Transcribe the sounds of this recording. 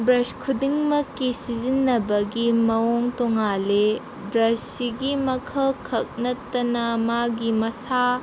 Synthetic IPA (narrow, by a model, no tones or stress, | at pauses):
bɾɐskʰudiŋmɐkːisizinːɐbɐɡimɐoŋtoŋale | bɾɐssiɡimɐkʰɐlkʰɐk̚nɐtːɐnɐmaɡimɐsa